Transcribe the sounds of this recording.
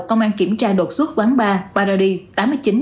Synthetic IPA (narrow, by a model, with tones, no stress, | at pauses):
kə˧wŋ͡mʔaː˧nki˧˩əmt͡ɕaː˧ɗo˨˩t̚swt̚kwaː˨˦ŋɓaː˧ɓaː˧ɾɔː˧ɗi˧t̪aː˨˦mɨ˧˩jt͡ɕi˨˦n